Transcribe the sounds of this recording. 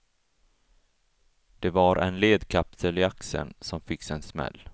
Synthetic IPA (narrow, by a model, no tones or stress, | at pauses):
d̪̥ɛvaɾʔɛ̰nleːd̪kʰapt̪ʰəlɪaksə̰nsɔmfɪkːsɛnsmɛ̰lː